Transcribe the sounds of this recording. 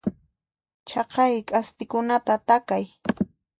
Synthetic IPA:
t͡ʃɑqɑjkʼaspɪkʊnat̪at̪akaj

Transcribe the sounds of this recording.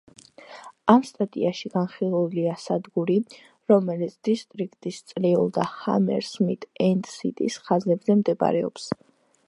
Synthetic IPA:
amst̪ʼat̪ʼḭaʃiɡ̥anχilˠuliasad̪ɡuɾi | ɾɔmɛlit̪sʰd̪̥ist̪ʼɾik̚ʰt̪ʼist̪sʼliṵlˠd̪aha̰mɛ̰ɾsmit̪ʰʼɛnd̪sḭt̪ʼḭsχazɛbzɛmd̪ɛba̰ɾɛɔ̰ps

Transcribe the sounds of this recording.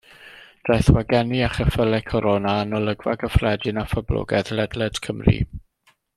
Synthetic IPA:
d̥rajθwaɡɛniaχəfəlɛkʰɔɾɔnaːnɔlˠəɡwa̰ɡəfrɛdɪnafɔblɔ̰ɡɛðlɛdlɛd̥kʰəmrḭ

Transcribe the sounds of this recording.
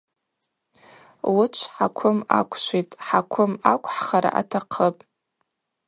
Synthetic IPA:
wʊt͡ʃʷʰħakʷʰʊmakʷʰʃʷitʼħakʷʰʊmakʷʰʼħχaɾa̰ʔatʰaqʰəpʼ

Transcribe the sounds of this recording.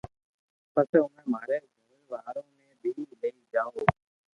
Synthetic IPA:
pəsɛːʊnẽːmaːɾeːzəmeːʋaːɾõːmẽːɓiːiləiːd͡ʒaːoː

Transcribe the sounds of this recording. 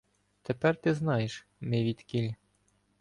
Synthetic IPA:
t̪epɛrt̪ɪznɑjeʃ | mɪʋʲit̪ʲkʲilʲ

